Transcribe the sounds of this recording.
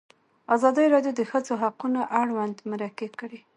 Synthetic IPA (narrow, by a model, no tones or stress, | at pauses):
azɑd̪əɾɑdjod̪əxəzoɦaqunoʔaɽwand̪maɾakekəɽe